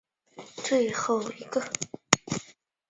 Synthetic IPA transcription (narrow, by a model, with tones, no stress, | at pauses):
t͡swe˥˧ɪxo˥˩ʊi˧˥ɡə˧